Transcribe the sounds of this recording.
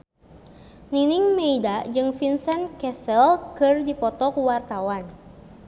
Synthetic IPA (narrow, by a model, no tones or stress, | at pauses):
niniŋmeidad͡ʒɨŋfinsɛnkɛsɛlkɨrdipɔt̪ɔkuwart̪awan